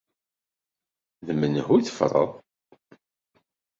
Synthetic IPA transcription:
ðəmənəhuiθəfɾˤɑ̰ðˤ

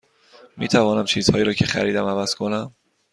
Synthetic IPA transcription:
mḭːt̪ʰævɒːnæmt͡ʃʰiːzhɒːjːɾɒːcʰe̞xæ̰ɾiːd̪æmævæz̥kʰonæm

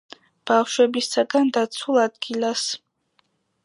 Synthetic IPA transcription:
b̥afʃwɛbisaɡand̪at̪sʰulˠad̪ɡilˠas

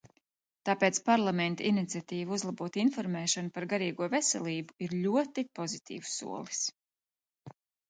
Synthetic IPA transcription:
t̪aːpeːt̪spaɾlˠamɛnt̪ainit̪siat̪iːvuzlˠabuɔt̪infɔɾmɛːʃanupaɾɡaɾiːɡuɔvesɛ̰lʲˠiːbuiɾʎʲuɔt̪ipɔzit̪ʰḭːvu̥sṵɔlˠi̥s

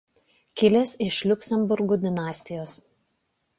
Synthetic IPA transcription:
kʲɪlʲeːsɪʃlʲʊkʲsʲɛmbʊɾɡud̪ʲɪnɑːsʲt̪ʲɪjoːs

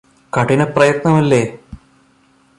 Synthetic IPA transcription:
kɐʈinɐprɐjɐt̪nɐmɐlːe̞ː

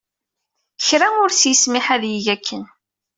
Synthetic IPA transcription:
çɾæʊɾsjəsmɪħæðjiʝækʰːən

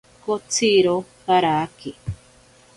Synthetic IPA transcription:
kot͡sʰiɾokaɾaki

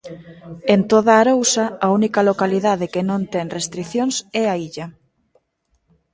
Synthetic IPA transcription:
ent̪oðaːɾowsaaunikalokaliðaðɪkenõnt̪ɛŋrest̪ɾiθjoŋsɛaiʎɐ

